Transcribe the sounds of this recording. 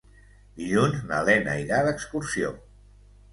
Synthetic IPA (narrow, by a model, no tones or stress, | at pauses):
d̪iʎunznalɛna̰iɾaðəkskuɾsio